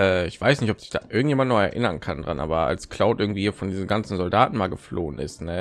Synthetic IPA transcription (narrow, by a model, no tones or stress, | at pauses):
ʔɛːɪçv̥aɪsnɪçtɔpz̥ɪ̥çd̥a̰ːʔɪɐɡŋtjeːmandnɔχɛɐʔɪnɐnkʰandʁa̰nʔa̰ːbɐʔa̰lskl̥aʊtʔɪɐɡŋ̩tv̥iːiːfɔndiːzn̩ɡant͡sn̩zɔldaːtn̩maːlɡəfloːənʔɪ̰stnə